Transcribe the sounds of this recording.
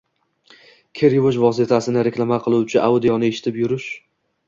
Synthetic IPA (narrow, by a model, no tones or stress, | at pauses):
kʲʰe̞ɾvoʃvɒs̬ɪt̪ʰasɪnɪɾeklˠamaqʰɨlˠuwt͡ʃʰɪʔawʊd̪ijɒnɪeʃɪ̥t̪ʰɪpjʊɾʊʃ